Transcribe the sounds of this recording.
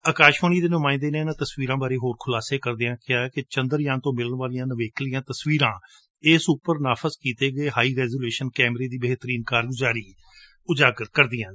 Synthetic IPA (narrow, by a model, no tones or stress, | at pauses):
əkaːʃʋaːniːd̪eːnʊmãːɪ̃nd̪eːneːnãːt̪əsʋiːɾãːbaːɾeːɦoːɾkʰʊlaːseːkəɾd̪ɪãːkɪaːɛkɪt͡ʃə̃nd̪əɾjãːnt̪õːmɪləɳʋaːlɪjãːnəʋeːkʰlɪjãːt̪əsʋiːɾãː | ɪːsupəɾnaːpʰəzkiːt̪eːɡəeːɦaːiːɾɛːzuːleːʃənkɛːmɾeːd̪iːbəɦt̪əɾiːnkaːɾɡʊzaːɾiː | ʊd͡ʒaːkkəɾd̪ɪjãː